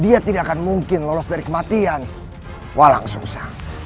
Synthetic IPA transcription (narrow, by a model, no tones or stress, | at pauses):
diat̪idaʔakanmuŋkɪnlɔlɔsdaɾikəmat̪ian | wʔala̰ŋsṵŋsah